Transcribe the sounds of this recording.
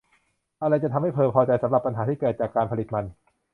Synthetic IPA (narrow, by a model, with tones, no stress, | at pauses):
ʔa˧ɾa˧jt͡ɕa˨˩t̪ʰmha˥˩jpʰɤː˧pʰɔː˧t͡ɕa˧jsa˩˦mɾa˨˩pːa˧nɦaː˩˦t̪ʰiː˥˩kɤː˨˩t̪̚t͡ɕaː˨˩kːaː˧npʰa˧li˨˩ma˧n